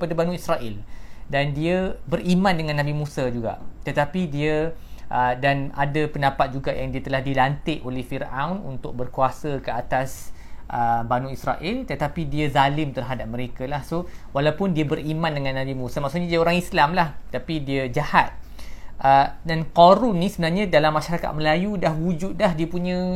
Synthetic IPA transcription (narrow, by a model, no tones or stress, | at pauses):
padabanũisɾaʔɪldandiəbərimãndəŋãnːãbimũsad͡ʒuɡa̰ʔt̪ət̪apidiəʔədana̰dapəndapat̪̚d͡ʒuɡaʔjaŋdiət̪əlahdilant̪ɪʔolɛhfirʔawnṵnt̪ʊk̚bərkuasəkəat̪asʔəbanũisraʔɪlt̪ət̪apidiəzalɪmt̪ərɦadap̚məɾekalahsowalawpʊndiəbərimãndəŋãnːadimusamaʔksuɲadiəoɾaŋislamlaht̪apidiəd͡ʒahat̪̚ʔədankoɾunːĩsəbənarɲãdalamːaʃaɾaka̰t̪̚məlajudahwud͡ʒʊt̪̚daɦdiəpuɲə̃